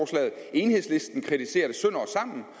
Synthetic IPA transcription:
ɒːslɛ̰ːð̩ˠe̝ːnhe̝ðˠsle̝sd̥n̩kʰʁidise̝̰ːɐd̥əsønɒsɑ̈m̰n̩

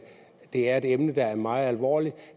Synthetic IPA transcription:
d̥e̝æɐe̝d̥emnəd̥ɑ̈æɐmɑ̈ːð̞̩ˠælʋɒ̰ːli̥

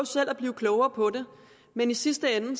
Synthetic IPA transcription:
ʊsel̰æb̥liːʊkʰlɔʊɐːpʰɒ̽de̝ | menisisd̥əen̩

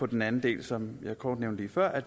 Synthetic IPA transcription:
ɒ̽d̥enænn̩d̥e̝̰ːlsɒ̽mjɑ̈kʰɒːd̥neʊnd̥liːfɶɐ̰ʔæd̥

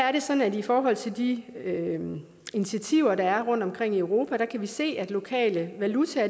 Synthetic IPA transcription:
æɐɾe̝sɒ̽nn̩æd̥ifɒːɦɒ̽l̰t͡sʰe̝ld̥iø | init͡sʰiæt͡sʰiʊ̰ɐɾ̥ɑ̈æɐʁɔ̽n̰d̥ɒ̽mkʰʁeŋ̰iøʊʁo̝ːpʰæɾ̥ɑ̈kʰæʋise̝̰ːæd̥lo̝kʰɛ̰ːləʋælut͡sʰæ

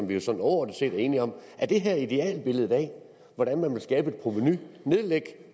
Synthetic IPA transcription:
sɒ̽mʋiosɒ̽n̰ɒʊɒd̩ˠse̝̰ːd̥æɐe̝ːniɒ̽m̰ʔæɐd̥e̝ɦæɐ̰id̥e̝ɛ̰ːlb̥e̝ləð̞̩ˠɛ̰ː | ʋɒɾ̥ænmænʋe̝lsɡ̥ɛːb̥əe̝d̥pʰʁomenyneðˠleɡ̥

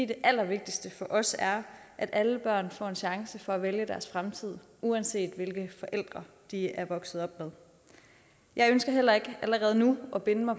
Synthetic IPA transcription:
ḭd̥eʔæl̰ɐʋe̝ɡ̥̚d̥isd̥əfɒ̽ʔɒ̽sæɐʔæd̥ʔæləb̥ɶɐ̰nfɒ̰ːe̝nɕɑ̈ŋsəfɒ̽æʋeljəd̥æɐsfʁamt͡sʰið̞̰ˠ | uænse̝̰ːd̥ʋe̝lɡ̥əfɒ̽ʔel̰d̥ʁɐ | d̥iæɐʋɒ̽ɡ̥sð̩ˠɒ̽b̥með̞ˠ | jʔɑ̈ɪønsɡ̥ɐɦel̰ɐe̝ɡ̥əʔæləʁɛːð̞ˠnuʔɒ̽b̥e̝nəmɑ̈ɪ

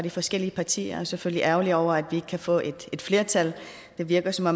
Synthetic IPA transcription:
d̥ifɒ̽sɡ̥el̰iəpʰɑ̈t͡sʰḭːɐæsefølliʔæɐʊliɒʊ̰ɐæd̥ʋie̝ɡ̥əkʰæfɔ̰̽ːʔe̝d̥e̝d̥fle̝ɐt͡sʰæl | d̥e̝ʋiɐɡ̥ɐsɒ̽mɒ̽

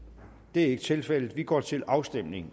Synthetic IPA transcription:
d̥e̝æɐe̝ɡ̥ət͡sʰe̝lfel̰d̥̩ˠʋiɡ̥ɒ̰ːt͡sʰe̝lɑ̈ʊsd̥em̰ne̝ŋ

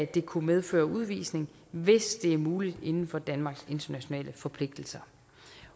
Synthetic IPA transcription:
d̥e̝kʰumeð̞ˠfø̰ːɐuð̞ˠʋḭːsne̝ŋ | ʋe̝sd̥e̝æɐmuːlid̥e̝nn̩fɒ̽d̥ænmɑ̈ɡ̥se̝nd̥ɐnæɕo̝nɛ̰ːləfɒ̽pʰle̝ɡ̥̚d̥l̩sɐ

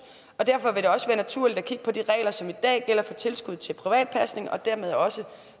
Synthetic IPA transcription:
ɒ̽d̥æɐfɒ̽ʋe̝ɾ̥e̝ɒ̽səʋæːɐnæt͡sʰuɐ̰lid̥ækʰiɡ̥ə̥pʰɒ̽d̥iʁɛ̰ːɪlɐsɒ̽mid̥ɛ̰ːɡ̥el̰ɐfɒ̽t͡sʰe̝lsɡ̥uð̞̰ˠt͡sʰe̝lpʰʁiʋɛ̰ːd̥̚pʰæsne̝ŋɒ̽d̥æɐ̰með̞ˠɒ̽sə

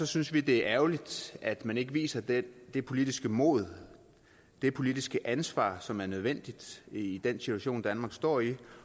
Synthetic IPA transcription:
sɒ̽synsʋid̥e̝æɐʔæʊlid̥æd̥mæne̝ɡ̥əʋḭːsɐd̥ed̥e̝pʰo̝lid̥isɡ̥əmo̽ðˠ | d̥e̝pʰo̝lid̥isɡ̥əʔænsʋɑ̰̈sɒ̽mæɐnøð̞ˠʋen̰d̥id̥id̥ensit͡sʰuæɕo̝̰ːnd̥ænmɑ̈ːɡ̥sd̥ɒ̰ːi

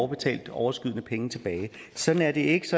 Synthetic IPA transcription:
ʊb̥e̝t͡sʰɛ̰ːld̥ɒʊɐsɡ̥yð̞̰ˠnəpʰeŋt͡sʰe̝b̥ɛːɪ | sɒ̽d̥n̩æɐd̥e̝e̝ɡ̥əsɒ̽

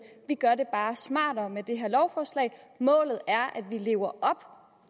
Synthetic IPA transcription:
ʋiɡ̥ɶɐde̝b̥ɑ̈ːsmɑ̰̈ːdɒmed̥e̝ɦeɐlɒʊfɒːslɛ̰ɪmɔ̰̽ːlð̞̩ˠæɐʔæd̥ʋile̝̰ːʊɐʔɒ̽b̥

